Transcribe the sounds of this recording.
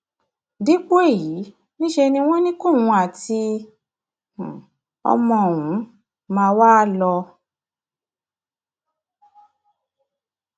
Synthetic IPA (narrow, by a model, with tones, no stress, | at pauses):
di˦k͡po˦e˦˨ji˨˦ | nĩ˦ʃe˧nĩ˧w̃ɔ̃˦nĩ˦kũ˦˨wũ˧a˦˨ti˧˨ | ɔ̰˧mɔ̃˧˨wũ˨˦ | mãː˧wa˦˧lɔ˧